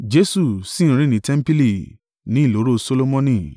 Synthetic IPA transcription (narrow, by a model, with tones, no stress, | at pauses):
d͡ʒe˦su˦˨sĩ˦˨˧ɾ̃ĩ˦nĩ˨˦tɛ˦m̩˦pi˦li˦˨ | nĩ˨˦i˦˨lo˨˦ɾo˦so˦lo˦mɔ̃˦nĩ˨